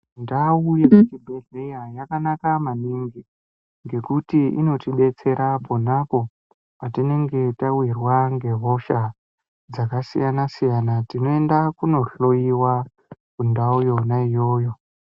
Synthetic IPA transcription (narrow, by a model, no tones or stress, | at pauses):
ndaujekut͡ʃibʱe̞ɮe̞jajakanakamaniŋɡi | ŋɡe̞kutiino̞tiɓe̞t͡se̞ɾapo̞napo̞ | patine̞ŋɡe̞tawirwaŋɡe̞ɦo̞ʃa | d͡zakasḭjanasijanatino̞e̞ndakuno̞ɬo̞iwa | kundaujo̞naijo̞ːjo̞